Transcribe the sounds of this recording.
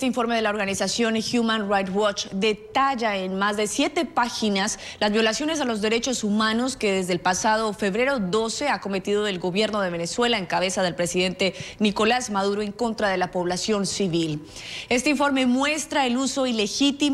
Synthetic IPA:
t̪eiɱfo̞ɾme̞ð̞e̞laoɾɣanisasjo̞nxjumãnrajt̪wɔt͡ʃd̪e̞t̪aʝaenmazðe̞sje̞t̪e̞paxinaslazβjo̞lasjo̞ne̞s̬alo̞zðe̞ɾe̞t͡ʃo̞sumano̞ske̞ðezðeːlpasað̞o̞fe̞βɾe̞ɾo̞do̞se̞ako̞me̞t̪iðo̞elɣo̞βje̞ɾno̞ð̞e̞βe̞ne̞swe̞lae̞ŋkaβe̞saðe̞lpɾe̞siðe̞nt̪e̞niko̞lazmaðuɾoe̞ŋko̞nt̪ɾað̞e̞lapo̞βlasjonsiβil | e̞st̪eiɱfo̞ɾme̞mwe̞st̪ɾae̞luso̞ile̞xit̪i

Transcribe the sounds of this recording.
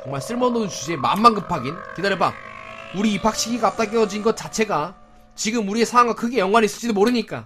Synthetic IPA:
t͡ɕʌŋmaɭs͈ʰɯɭmʌnoɯnt͡ɕud͡ʑeema̰nːanɡɯpʰaɡinkedaɾjebauɾiːpʰak̚ɕʰiɡiɡaːp̚t͈ak͈eʌd͡ʑinɡʌt̚t͡ɕ͈at͡ɕʰe̞ɡa | t͡ɕiɡɯmuɾie̞sʰaaŋɡakʰɯɡe̞jʌŋɡwanis͈ɯ̥d͡ʑidomoɾɯɲik͈a̰

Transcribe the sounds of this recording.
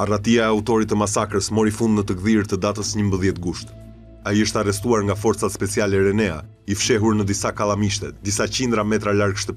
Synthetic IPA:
arat̪iaɛaut̪ɔɾit̪ːəmasakɾəsmɔɾifund̪nət̪əɡðiɾt̪əd̪at̪əsɲəmbəðjɛt̪ɡuʃt̪ | aiəʃt̪ɛarɛst̪uaɾŋɡafɔɾt̪t͡sat̪spɛt͡sialɛɾɛnɛa̰ | ifʃɛɦuɾnəd̪isakalˠamiʃt̪ɛt̪̚d̪isat͡ɕind̪ɾamɛt̪ɾalaɾɡʃt̪əp

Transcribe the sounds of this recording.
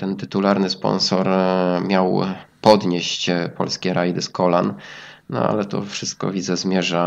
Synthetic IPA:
t̪ɛnt̪ɘt̪ulaɾnɘspɔ̰nsɔɾmʲjawpɔd̪ɲeɕt͡ɕpʰɔ̰lskʲɛɾʔajd̪ɘskɔlannɔ̰a̰lɛt̪ɔ̰fʂɘst̪̚kɔ̰vʲidzɛzmʲjɛʐa

